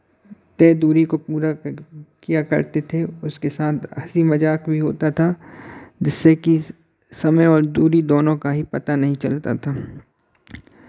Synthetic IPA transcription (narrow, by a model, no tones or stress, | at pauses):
t̪ɛːd̪uːɾikopuːɾakijakɐ̰ɾt̪et̪ʰeʊskesaːt̪ʰɐ̰simɐd͡ʒaːkbʱiɦo̰ːt̪at̪ʰa | d͡ʒɪsːeki | sɐməjɔːɾd̪uːɾid̪oːnõkaɦipɐt̪anɐɦĩt͡ʃɐlt̪a̰t̪ʰaː